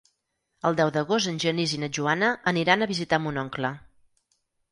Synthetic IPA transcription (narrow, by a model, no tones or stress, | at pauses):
əlˠd̪ɛwðəɣozt̪ənʲʒənizinəʒuanəːniɾanəβizit̪amunɔŋklə